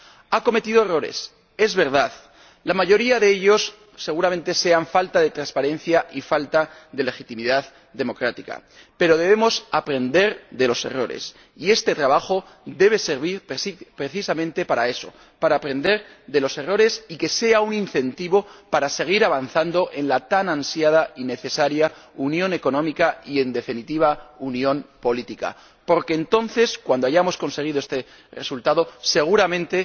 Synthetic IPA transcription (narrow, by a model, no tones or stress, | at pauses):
ako̞me̞t̪iðo̞ero̞ɾe̞̰s | e̞zβe̞ɾðað | lamaʝo̞ɾiaðe̞eʎo̞sː | e̞ɣ̞uɾamẽ̞nt̪e̞se̞aɱfalt̪aðe̞t̪ɾanspaɾẽ̞nθjaʔifalt̪aðe̞le̞xit̪imiðað | ðe̞mo̞kɾat̪ika̰ | pe̞ɾo̞ð̞e̞β̞e̞mo̞sapɾe̞nd̪e̞ɾðe̞lo̞se̞̰ro̞̰ɾḛs | ie̞st̪e̞t̪ɾaβaxo̞ | ðe̞β̞e̞seɾβiɾpesipɾeθisamẽ̞nt̪e̞paɾae̞so̞̰ | paɾaːpɾe̞nd̪e̞ɾ | ðe̞lo̞se̞ro̞ɾe̞sike̞se̞auninθe̞nt̪iβo̞paɾase̞ɣ̞iɾaβanθand̪o̞ʔe̞nlat̪anãnsjað̞aine̞θe̞saɾjaunjõ̞ne̞ko̞nõ̞mikaie̞nd̪e̞finit̪iβ̞aunjõ̞mpo̞lit̪ika̰ | po̞ɾke̞ːnt̪o̞nθe̞skwand̪oaʝamo̞sko̞nse̞ɣ̞iðoest̪e̞ | re̞̰sult̪aðo̞se̞ɣ̞uɾamẽ̞nt̪e̞